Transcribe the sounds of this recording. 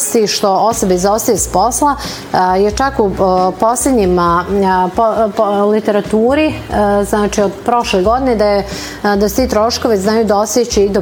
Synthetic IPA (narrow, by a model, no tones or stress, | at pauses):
st̪iʃt̪o̞o̞sobaizost̪ajespo̞slˠa | jet͡ʃakupo̞slʲed̪ɲim | polit̪eɾat̪uːɾiznaːt͡ʃiod̪pɾo̞ʃleɡo̞d̪ined̪aje | d̪ast̪it̪ɾo̞ːʃko̞ʋiznaːjud̪ao̞sjet͡ɕeid̪o